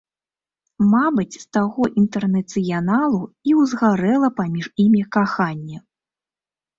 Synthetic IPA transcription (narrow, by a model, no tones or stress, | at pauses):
mabɨt͡sʲst̪aɣɔʔint̪ɛrnɐt̪sɨjanalˠuiwzɣaɾɛlˠɐpamʲiʐimʲikaxanʲːɛ